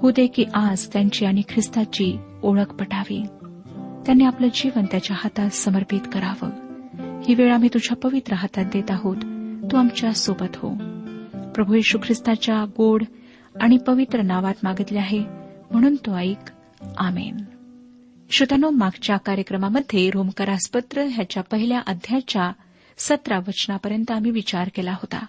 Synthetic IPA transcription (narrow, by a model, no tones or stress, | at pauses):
hud̪ekiːʔad͡zt̪jaɲt͡ɕiːaɽ̃ikʰɾist̪at͡ɕiː | oɭəkpəʈʰaʋḭ | t̪janːiːapləd͡ʑiʋənt̪jat͡ɕjahat̪at̪səməɾpit̪kəɾaʋə̰ːhiʋeɭam̤iːt̪ud͡ʑʱjapəʋit̪ɾəɦat̪at̪̚d̪et̪aɦot̪ːuamt͡ɕjasobət̪ɦo̰ | pɾəbʱujiɕukʰɾist̪at͡ɕjaɡoɽ | aɽ̃ipəʋit̪ɾənaʋat̪maɡət̪liaɦem̤əɽ̃uːnt̪oaik | amḛn | ɕut̪anomaɡt͡ɕjakaɾjəkɾəmaməd̪ʱːjeɾomkəɾaspət̪ɾəɦjat͡ɕjapəɦiljaʔəd̪ʱjat͡ɕja | sət̪ɾaʋət͡ɕnapəɾjənt̪əam̤iːʋit͡ɕaɾkelaɦot̪a̰